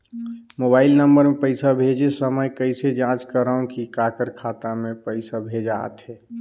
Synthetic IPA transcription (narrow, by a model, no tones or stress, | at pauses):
mobaːɪlnəmbəɾmẽpəɪsabʱed͡ʒesəməjkəɪsed͡ʒãt͡ʃkəɾaũkikakəɾkʰaːt̪amẽpəɪsabʱed͡ʒa̰ːt̪ɦɛ